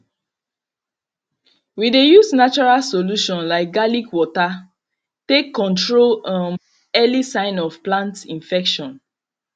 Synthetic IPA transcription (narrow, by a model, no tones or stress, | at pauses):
widejusnat͡ʃɔɹalsoluʃɔ̃nlaɪk̚ɡalikwɔta | tekːɔ̃ntɹolãn | ɛlisãɪ̃nɔfplãntĩnfɛkʃɔ̃n